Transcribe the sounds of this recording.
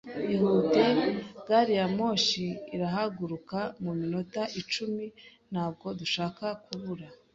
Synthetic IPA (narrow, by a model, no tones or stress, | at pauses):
ihudeɡaɾijamo̞ːʃiːɾaɦaɡuɾukamumino̞taʔit͡ʃumi | n̥haːb̚ɡo̞duʃaːkakuβuɾa